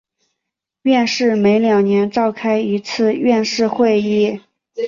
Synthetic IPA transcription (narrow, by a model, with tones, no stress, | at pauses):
ɥɛ˥˧nʂɻ̩˥˩me˧˥ɪljɑ˨˩ŋnjɛ˧˥nʈ͡ʂɑ˥˩ʊkʰa˥ɪi˧˥t͡sʰɹ̩˥˧ɥɛ˥˧nʂɻ̩˥˧xwe˥˧ɪi˥˩